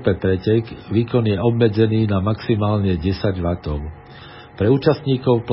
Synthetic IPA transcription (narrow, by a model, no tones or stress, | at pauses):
pɛpɾɛcɛɡʋiːkɔnjɛɔbmɛd͡zɛniːnamaksimaːlɲɛɟɛsaɟʋat̪ɔʊ | pɾɛuːt͡ʃast̪ɲiːkɔʊp